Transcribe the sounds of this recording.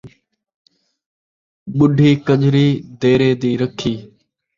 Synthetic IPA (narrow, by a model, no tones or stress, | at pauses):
ɓʊɖʱiːkəʄɾiːd̪eːɾeːd̪iːɾəkʰiː